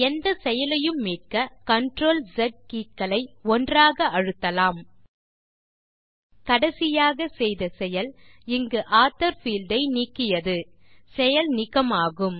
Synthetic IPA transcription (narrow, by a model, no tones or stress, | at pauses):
ɛnd̪ɐsɛjɐlɐjɯmːiːrkɐkɐɳʈɾoːld͡ʒɐɖ̚kiːkːɐlɐɪɔndraːɣɐɐɻɯt̪ːɐlaːm | kɐɽɐsɪjaːɣɐsɛjðɐsɛjɐlɪŋɡɯʔaːt̪ːɐɾfiːld̪ɐɪniːkːɪjɐðɯ | sɛjɐlnɪɣɐmaːɣɯm